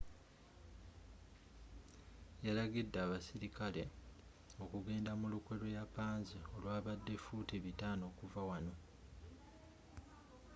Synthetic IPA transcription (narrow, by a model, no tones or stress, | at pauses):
jalaɡidːaːβasiɾikale̞ | o̞kuɡe̞ːndamulukwe̞lo̞japaːnzio̞lwaːβadːe̞futiβitaːno̞ːkuvawano̞